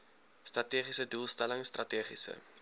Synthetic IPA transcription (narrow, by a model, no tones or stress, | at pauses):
strɐtiːχisəduːlˠstæləŋst̪rɐtiːχisə̰